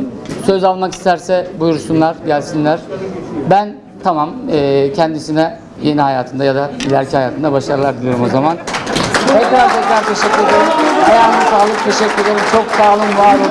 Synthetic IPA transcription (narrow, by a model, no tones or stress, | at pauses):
sø̞zalˠmaki̥st̪ʰæɾsɛbujuɾusunlˠaɾɟælʲsinlʲæɾ̥bæn | t̪ʰamamɯːcʰɛnd̪isinɛ | je̞niɦajaːt̪ʰɯnd̪ajad̪ailʲæɾcʰihajaːt̪ʰɯnd̪abaʃaɾɯlˠaɾd̪ilʲijo̞ɾumozamant̪ʰɛkɾaɾt̪ʰɛcɾaɾt̪ʰeʃɛcːyɾed̪eɾimhɛjanasaːlˠɯk̚t̪ʰeʃɛcʰʲːye̞d̪eɾimt͡ʃʰo̞ksaːlˠɯmvaɾlˠɯ